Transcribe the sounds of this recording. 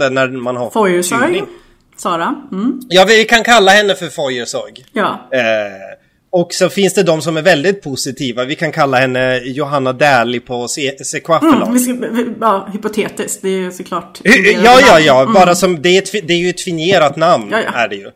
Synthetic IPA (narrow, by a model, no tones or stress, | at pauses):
d̪ənæmanhaɾfɔjəsɔɾɡɪ | sɑːɾajɑːvɪvɪkʰankʰalːahɛnːəfœɾfɔjːəʂɔ̰ɾɡjɑː | ɔksɔfɪnsd̪ɛd̪ɔmsɔmæɾvɛld̪ɪt̪̚pʰʊsɪt̪ʰiːvavɪkʰankʰalːahɛnːəjʊɦanːad̪ɛːlɪpʰɔsesekʰvafl̰ɪɑːhʏpʊt̪ʰeːt̪ɪsk̪̚d̪ɛsɔkʰlɑːʈhjɑːjɑːjɑːbɑːɾasɔmd̪ɛːɛt̪fɪd̪ɛæɾjɵɛt̪fɪnjeːɾat̪namn̰ːæɖɛjɵ